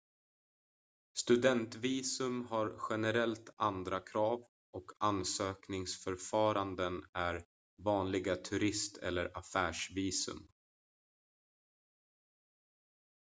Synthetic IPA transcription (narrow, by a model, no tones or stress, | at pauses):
st̪ɵd̪ɛnt̪viːsɵmɦaɾɧɛnɛɾɛlt̪and̪ɾakʰɾɑːv | ɔkʰansøːknɪŋsfœɾfɑːɾand̪ənæɾ | vɑːnlɪɡat̪ʰɵɾɪst̪ʰɛ̰lːəɾʔafæːʂviːsɵ̰m